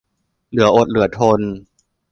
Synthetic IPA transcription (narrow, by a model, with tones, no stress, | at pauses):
lɯ˨˩˦ɐʔo˨˩t̪̚lɯ˨˩˦ɐt̪ʰo˧n